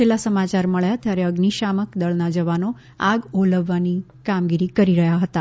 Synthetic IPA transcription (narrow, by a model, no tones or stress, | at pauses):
t͡ʃelasəmat͡ʃaɾməɭjat̪jaɾeəɡniʃaməkd̪əɭnad͡ʒəʋano | aɡoləʋːani | kamɡiɾikəɾiɾəɦjaɦət̪a